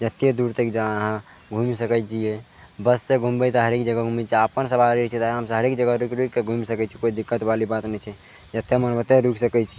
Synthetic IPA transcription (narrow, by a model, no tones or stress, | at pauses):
d͡ʒət̪ːed̪uɾt̪əkd͡ʒaɦã | ɡʱumisəkəjt͡ʃʰije | bəsːeɡʱumbət̪əɦəɾekd͡ʒəɡaɡʱumit͡ʃʰiapənsəbʱaɾet͡ʃʰɛt̪aəmsə̃ɦəɾekd͡ʒəɡaɾukɾukkːeɡʱumisəkɛt͡ʃʰikoid̪ikːət̪balibat̪nɛt͡ʃʰɛ | d͡ʒət̪ːemənbət̪eɾuksəkɛt͡ʃʰi